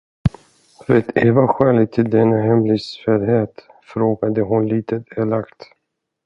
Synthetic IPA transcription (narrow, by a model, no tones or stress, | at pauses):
ɾɛt̪ʰeːvaɧɛːlɪɡ̚t̪ʰɪld̪ɛnːaɦɛmlɪsfɛɾheːt̪ | fɾoːɡad̪əɦʊnliːt̪ʰət̪ʰɛlakt̪